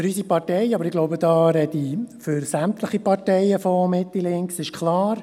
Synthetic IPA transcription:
fɾysipɑtɛɪɑbəɾɪɡloʊbədɑːɾɛdifʏɾsæmt̪ləχipɑɾtɛɪjəfɔmɪt̪ːilɪŋksɪʃkʰlɑːɾ

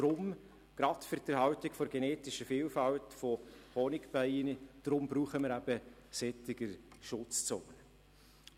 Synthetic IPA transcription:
d̥ɾʊm | ɡ̥ɾɑtfʏɾdəɾhɑwtɪkfɔɾɡ̥ɛneːtɪʃəfiːlfɑltfɔhɔnɪkb̥aɪnəd̥ɾʊmbɾuːχəməɾæb̥ə | sɛtɪɡəɾʃʊt͡st͡soːnə

